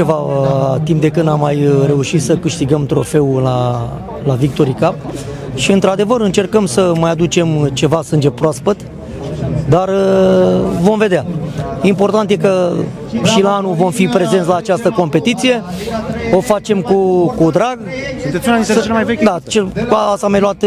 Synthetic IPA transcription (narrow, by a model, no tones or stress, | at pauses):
e̞vat̪impd̪e̞kɨnd̪amːajre̞uʃit̪səkɨʃt̪iɡəmt̪ɾo̞̰fe̞ula | lavik̚t̪o̞ɾikap | ʃiɨnt̪ɾad̪e̞vəɾɨnt͡ʃe̞rkəmsəmajad̪ut͡ʃe̞mt͡ʃe̞vasɨnd͡ʒe̞pɾoaspət̪ | d̪ar | vo̞mve̞d̪eaimpo̞rt̪ant̪je̞kə | ʃilaanuvo̞mfipɾe̞ze̞nt̪ʲlaːt͡ʃast̪əko̞mpe̞t̪it̪sije̞ | o̞fat͡ʃe̞mkukud̪ɾaɡsunt̪esʲunaiselemajvekʲd̪at͡ʃekuaast̪amajloat̪